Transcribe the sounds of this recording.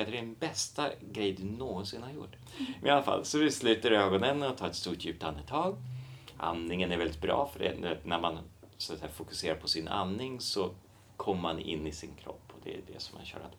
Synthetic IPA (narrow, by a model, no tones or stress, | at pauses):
at̪ɖɛnbɛst̪aɡɾɛjd̪ɵnoːɡɔnsɪnhaɾjʊ̰ʈː | mɛnalafa̰lːsɔd̪ɪslʉ̟ːt̪aɾøːɡɔnənɔt̪ʰɑːɾɛt̪st̪uːʈjʉ̟ːp̚t̪anːət̪ʰɑːɡʔa̰nːɪŋənæɾvɛlːɪt̪̚bɾɑ̰ːfœɖɛ̰næɾmanst̪sɛːafʊkɵ̥seːɾaɾpʰɔsɪna̰nːɪŋsɔ | kʰɔmːəmanɪ̰nːɪsɪnkʰɾɔ̰pːɔd̪ɛ̰æ̰dɛ̰sɔma̰nɕœ̰ːɾa̰t̪